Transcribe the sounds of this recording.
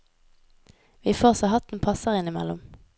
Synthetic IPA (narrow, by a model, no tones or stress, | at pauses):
ʋiːfoːʁsohɑt̪n̩pʰɑsəʁɪnɪmɛ̰lʊ̰m